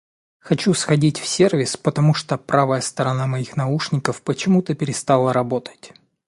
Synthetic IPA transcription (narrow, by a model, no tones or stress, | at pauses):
xɐt͡ɕusxɐdʲitʲfsʲervʲɪspət̪ɐmuʂt̪opɾavəjəst̪əɾɐnamɐixnɐuʂnʲɪkəfpət͡ɕɪmut̪əpʲɪɾʲɪst̪alˠəɾɐbo̞t̪ə̥tʲ